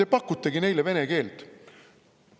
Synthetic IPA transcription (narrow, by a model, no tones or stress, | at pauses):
epɑkːut̪ːeɡine̞jleve̞neɡe̞ːlt̪